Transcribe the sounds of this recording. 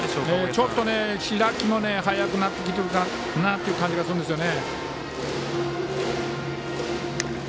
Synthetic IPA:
et͡ɕo̞t̪ːo̞neɕiɾakʲimo̞neɦajakɯ̟nat̪ːe̞k̬ʲit̪̬e̞ɾɯ̟ka | nat̪ːe̞iɯ̟kãɲ̟d͡ʑiɡasɨɾɯ̃nd̪esɨjo̞ne

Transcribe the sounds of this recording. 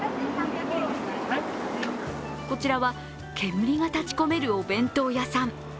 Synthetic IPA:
ko̞t͡ɕiɾaβa | kʰe̞mɯ̟ɾʲiɡat̪at͡ɕi̥ko̞me̞ɾɯ̟o̞bẽ̞nt̪o̞ːjasãm

